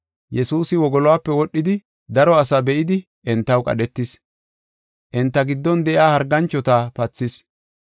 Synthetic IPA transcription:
jɛsuːsɪwɔɡɔlɔwaːpːɛwɔɗːɪd̪ɪ | d̪ɐɾɔɐsɐbɛʔɪd̪ɪ | ʔɛnt̪ːɐwkʼɐ̰ɗɛt̪ːɪs | ʔɛnt̪ːɐɡɪd̪ːɔnd̪ɛʔɪaːhɐɾɡɐnt͡ʃːɔt̪apɐt͡sːɪs

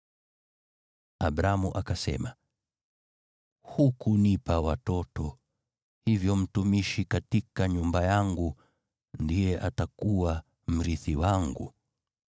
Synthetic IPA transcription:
abɾamuʔakasɛ̰ma | hukunipawatɔtɔ | hivjɔm̩tumiʃikatikaɲumbajaŋɡu | ndijɛʔatakuwa | m̩ɾiθiwaŋɡṵ

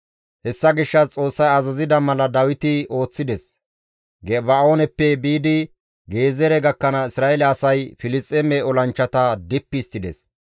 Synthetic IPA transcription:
hɛsːɐɡɪʃːɐt͡sʼo̞ːsːɐjɐzɐzɪd̪ɐmɐlɐd̪ɐwɪt̪ɪo̞ːt͡sːɪd̪ɛs | ɡɛbao̞ːnɛpːɛbiːd̪ɪ | ɡe̞ːzɛɾɛɡɐkːɐnɐɪsɾaːɛlɛɐsɐjfɪlɪt͡sʼːɛmɛɔlɐnt͡ʃːɐt̪ɐd̪ɪpːɪːst̪ːɪd̪ɛ̰s

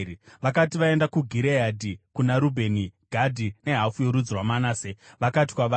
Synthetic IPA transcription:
ʋakatiʋae̞ndakuɡʱiɾeadʱikunaɾubʱe̞niɡ̥ʱadʱine̞ɦafujoɾud͡zrwamanaseʋakat̬i̥kwaʋa

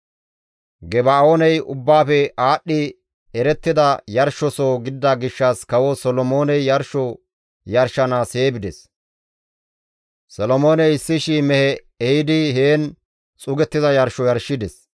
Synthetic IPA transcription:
ɡɛbaoːnɛjʔʊbːaːfɛaːɗːɪ | ɛɾɛt̪ːɪd̪ɐjɐɾʃːɔsoːɡɪd̪ːɐɡɪʃːɐskɐwɔsɔlɔmo̞ːnɛjːɐɾʃɔ | jɐɾʃɐnaːseːbɪd̪ɛs | sɔlɔmo̞ːnɛjɪsːɪʃimɛhɛ | ɛhɪd̪ɪheːn | t͡sʼʊɡɛt̪ːɪzɐjɐɾʃɔjɐɾʃːɪd̪ɛs

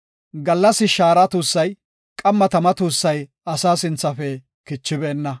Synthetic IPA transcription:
ɡɐlːɐsɪʃaːɾɐt̪uːsːɐj | kʼɐmːɐt̪ɐmɐt̪uːsːɐj | ɐsaːsɪnt͡sːɐfɛ | kɪt͡ʃːɪbeːnːɐ

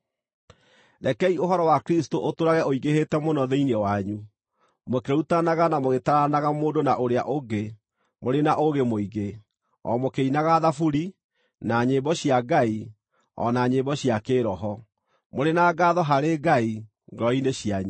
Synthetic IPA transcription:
ɾɛkɛioɦɔɾɔwakɾistoʔotoɾaɣɛʔoiɣehetɛmonɔðeinewaɲu | mokeutanaɣanamoɣetaɾanaɣamoːdonaʔoɾeaʔoɡe | moɾenaʔoɣemoiɣe | ɔ̰mokeinaɣaðafuɾi | naɲebɔɕiaɡai | ɔ̰naɲebɔɕiakeːɾɔɦɔ | moɾenaːɡaðɔɦaɾeɡai | ŋɡɾɔineɕiaɲu

